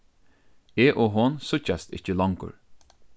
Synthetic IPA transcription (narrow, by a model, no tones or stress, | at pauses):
eːʔɔɦɔnsʊt͡ʃast̪ɪ̰t͡ʃːəlɔŋkʊ̰ɹ